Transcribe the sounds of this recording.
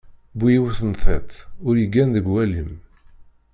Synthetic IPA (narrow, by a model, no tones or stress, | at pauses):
bujiwθənθɛt̪ʊɾjəɡːænðəɡwæləm